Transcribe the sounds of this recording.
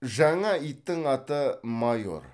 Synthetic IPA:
ʒɑɴɑit̪ːəŋɑt̪əmajo̞̰ɾ

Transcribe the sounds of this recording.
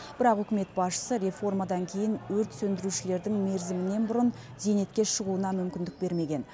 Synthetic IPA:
b̥ɪɾɑqʏkʲɪme̞t̪̚bɑsʃə̥səɾʲe̞fo̞rmad̪ɑŋkʲʰe̞jɪnwɵɾt̪sɵnd̪ɪɾuʃɪle̞ɾd̪ɪŋme̞ɾzɪmɪne̞nbʊɾʊn | ze̞ne̞t̪kʲe̞ʃəʁuənɑmʏmkʲɪnd̪ɪk̚be̞ɾme̞ɡʲe̞n

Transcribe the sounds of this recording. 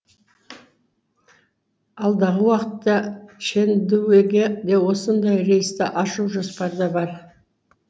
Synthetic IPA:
ɑlˠd̪ɑʁəwɑqət̪ːɑʃend̪uweɡʲed̪e̞wo̞sənd̪ɑjɾe̞jɪst̪ɪʔɑʃuwʒospɑɾd̪ɑbɑɾ

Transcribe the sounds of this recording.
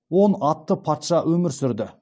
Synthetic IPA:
wo̞nɑt̪ːəpʰɑt̪ʃɑwɵmɪɾsʏɾd̪ɪ

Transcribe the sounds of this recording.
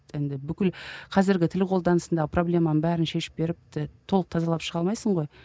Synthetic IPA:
ɪnd̪ɪbʏkʲɪlqʰɑzɪɾɡʲɪt̪ʰɪlqʰo̞lˠd̪ɑnəsənd̪ɑʁəpro̞blʲe̞mɑnəbæɾɪnʃe̞ʃɪ̥p̚be̞ɾɪp̚ɪt̪ʰo̞lˠəq̚t̪ʰɑzɑlˠɑpʃəʁɑlˠmɑjsəɴʁo̞j

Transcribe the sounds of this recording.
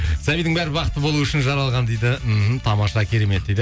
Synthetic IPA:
sæbijd̪ɪŋbæɾɪbɑqət̪ːəbo̞lˠuʏʃɪnʒɑɾɑlˠʁɑnd̪ejd̪ɪm̩ɦm̩t̪ʰɑmɑʃɑkʲʰe̞ɾe̞me̞t̪̚d̪ejd̪

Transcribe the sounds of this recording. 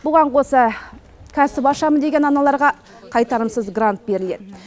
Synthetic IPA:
bʊʁɑɴqʰo̞sɑ | kʲʰæsɪbɑʃɑməd̪e̞ɡʲe̞nɑnɑlˠɑɾʁɑ | qʰɑjt̪ɑɾəmsəzɡrant̪̚be̞ɾɪle̞d̪ɪ

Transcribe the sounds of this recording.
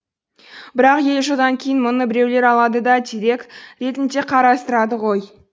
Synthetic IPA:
bɪɾɑqje̞lʒəd̪ɑŋkʲʰejɪnmʊnəbɪɾe̞wle̞ɾɑlˠɑd̪əd̪ɑt̪ʲʰiɾe̞kɾe̞t̪ɪnd̪e̞qʰɑɾɑst̪əɾɑd̪əʁo̞j

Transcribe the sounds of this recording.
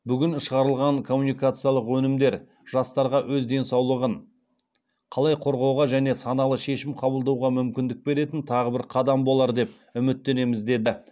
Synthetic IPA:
bʏɡʲɪnʃəʁɑɾəlˠʁɑɴkʰo̞mːunijkat̪sɨijɑlˠəqwɵnɪmd̪e̞ɾ | ʒ̥ɑst̪ɑɾʁɑwʔɵzd̪e̞nsɑwlˠəʁəɴ | qʰɑlˠɑjqʰo̞ɾʁɑwʁɑʒæne̞sɑnɑlˠəʃe̞ʃɪmqʰɑbəlˠd̪ɑwʁɑmʏmkʲɪnd̪ɪk̚be̞ɾe̞t̪ɪnt̪ʰɑʁəbɪɾqʰɑd̪ɑmbo̞lˠɑɾd̪e̞p̚ | ʏmɪt̪ːe̞ne̞mɪzd̪e̞d̪ɪ

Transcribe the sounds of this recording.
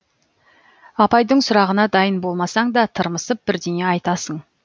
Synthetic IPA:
ɑpɑjd̪əɴsʊɾɑʁənɑd̪ɑjənbo̞lˠmɑsɑɴd̪ɑt̪ʰəɾməsəp̚b̥ɪɾd̪ene̞ɑjt̪ɑsəɴ

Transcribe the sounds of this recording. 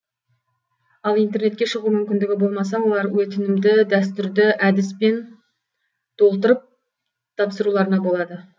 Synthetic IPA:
ɑlˠijnt̪e̞rɾne̞t̪kʲe̞ʃəʁumʏmʲɪnd̪ɪɡʲɪbo̞lˠmɑs̬ɑwo̞lˠɑɾwɵt̪ɪnɪmd̪ɪd̪æst̪ʏɾd̪ɪʔæd̪ɪspe̞n | t̪ʰo̞lˠt̪əɾəp̚ | t̪ʰɑpsəɾulˠɑɾənɑbo̞lˠɑd̪ə

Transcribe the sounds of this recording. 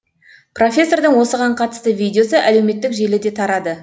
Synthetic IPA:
pro̞fʲe̞sːo̞rd̪əɴwo̞səʁɑɴqʰɑt̪ə̥st̪əvʲijd̪ʲeo̞səʔæle̞wme̞t̪ːɪkʒe̞lɪd̪e̞t̪ʰɑɾɑd̪ə

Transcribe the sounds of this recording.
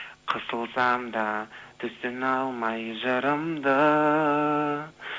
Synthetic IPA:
qʰəsəlˠsɑmd̪ɑt̪ʰʏst̪enɑlˠmɑjʒəɾəmd̪ə

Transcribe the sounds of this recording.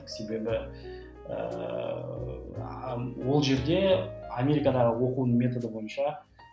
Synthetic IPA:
se̞be̞bɪ | ə̰ | wo̞lˠʒe̞ɾd̪e̞amʲe̞ɾʲikad̪ɑʁəwo̞qunəɴmʲe̞t̪o̞d̪əbo̞jənʃɑ

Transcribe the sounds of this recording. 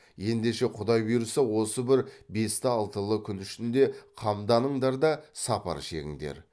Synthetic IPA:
je̞nd̪e̞ʃe̞qʰʊd̪ɑjbijɾəsəwo̞səbɪɾbe̞st̪ɪɑlˠt̪əlˠəkʲʰʏnʏʃɪnd̪e̞qʰɑmd̪ɑnəɴd̪ɑɾd̪ɑsɑpɑ̰ɾʃe̞̰ɡʲɪ̰ŋd̪ḛɾ

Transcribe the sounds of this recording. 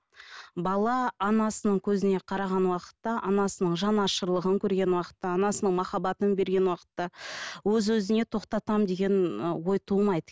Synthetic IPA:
bɑlˠɑːnɑsənəɴkʲʰɵzɪne̞qʰɑɾɑʁɑnwɑqə̥t̪ːɑʔɑnɑsənəɴʒɑnɑʃəɾlˠəʁəŋkʲʰɵɾɡʲe̞nwɑqə̥t̪ːɑːnɑsənəɴmɑχɑbɑt̪ənbe̞ɾɡʲe̞nwɑqə̥t̪ːɑwɵzwɵzɪne̞t̪ʰo̞qt̪ɑt̪ɑmd̪e̞ɡʲe̞nwo̞jt̪ʰumɑjd̪ə

